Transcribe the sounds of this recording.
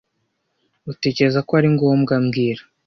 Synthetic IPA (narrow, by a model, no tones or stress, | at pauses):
ute̞ːce̞ɾezakoaɾiŋɡo̞mɡamɡiːɾa